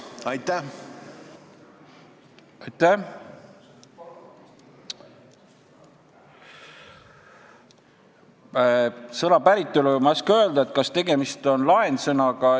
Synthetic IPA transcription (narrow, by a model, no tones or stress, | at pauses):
ɑ | ɑjt̪ːæ | sɤnɑpæɾit̪ːˑulumɑskø̞ld̪̥ɑet̪̚kɑst̪e̞ɡe̞mist̪o̞nlɑensɤnɑɡɑ